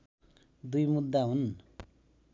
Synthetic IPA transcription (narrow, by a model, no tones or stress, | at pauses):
d̪ujmud̪ːaɦun